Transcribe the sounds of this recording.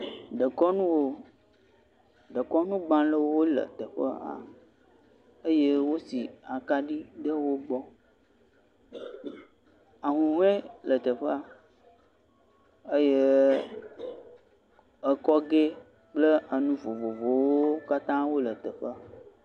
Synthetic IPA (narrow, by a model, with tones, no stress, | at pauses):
ɖə˨kɔ˦nũ˦wo˦ | ɖə˨kɔ˦nũ˦ɡ͡bã˦lə˦wo˦lə̰˨t̪ə˨ɸə̰˦a̰˨ | ə˦je˦wo˦si˨a˨ka˦ɖi˦ɖə˦wo˦ɡ͡bɔ˦ | a˨ɦũ˨ɦũ˦ɛ̃˦lə˨t̪ə˨ɸə˦a˨ | ə˦je˦ | ə˨kɔ˦ɡe˦ | k͡plə˦ə˨nũ˦vo˨vo˨vo˨wo˦ka˦t̪ã˦wo˦lə˨t̪ə˨ɸə˦a˨